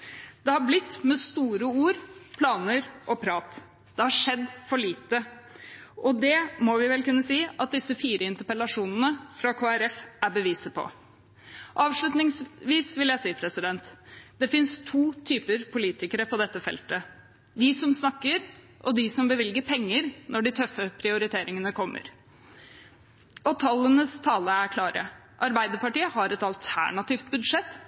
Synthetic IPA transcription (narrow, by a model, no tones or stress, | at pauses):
d̪̥ɛhɑɾblɪt̪ːmɛst̪uːɾəuːɾpʰlɑːnəɾʔɔpʰɾɑːt̪ | d̪ɛhɑʂɛd̪ːfɔɭiːt̪ə | ʔɔd̪ɛmɔʋɪʋɛlkʉnːəsiːʔɑt̪̚d̪ɪsəfiːɾəɪnt̪əɾpəlɑʂuːnən̩əfɾɑkʰoːæɾɛfæbəʋiːsəpʰɔ̰ | ɑːʋʂɭʉt̪nɪŋsʋiːsʋɪljæɪsiːpʰɾɛsɪd̪ɛnt̪d̪̥ɛfɪnst̪ʰuːt̪ʰyːpəɾpʰʊliːt̪ɪkəɾəpʰɔd̪ɛt̪ːəfɛ̰lt̪ə | d̪ɪsɔmsnɑkːəɾ | ʔɔd̪ɪsɔmbəʋɪlɡəpʰɛŋːəɾnʔɔɖɪt̪ʰœfːəpʰɾɪʊɾɪt̪ʰeːɾɪŋənəkʰɔmːə̰ɾ | ɔt̪ʰɑlːənəst̪ʰɑːləæɾkʰlɑːɾʔə̰ | ʔɑɾbæɪd̪əpɑʈiːəhɑɾɛt̪ɑlt̪ʰæ̰ɳɑt̪ɪːft̪̚bʉd̪ʂɛt̪ː